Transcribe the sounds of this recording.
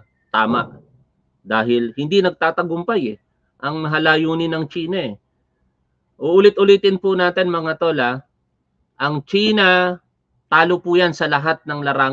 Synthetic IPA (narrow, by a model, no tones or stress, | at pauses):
t̪aːma̰ʔ | d̪aːhɪlhɪnd̪inɐɡ̚t̪aːt̪ɐɡʊmpajɛ | ʔɐŋmɐɦɐlaːjuːnɪnɐŋt͡ʃiːnɐʔɛ | ʔoʔʊlɪt̪̚ʊliːt̪ɪnpʊnaːt̪ɛnmɐŋat̪olɐ | ʔɐŋt͡ʃiːnɐ | t̪aːlopʊjansɐlɐɦat̪̚nɐŋlɐɾaː